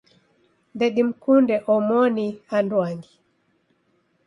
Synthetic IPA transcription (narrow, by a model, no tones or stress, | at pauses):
nd̪ɛɗim̩kundɛʔɔmɔniandwaŋɡi